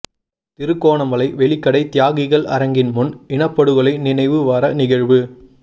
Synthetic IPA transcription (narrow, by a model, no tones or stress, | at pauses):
t̪ɪɾɯkːoːɳɐmɐlɐɪʋɛɭɪkːɐɽɐɪt̪ɪjaːɣɪɣɐɭʔɐ̰ɾɐŋɡɪnmʊnɪɳɐpːɐɽɯɣɐɭɐɪnɪnɐɪʋɯʋaːɾɐnɪɣɐɻʋɯ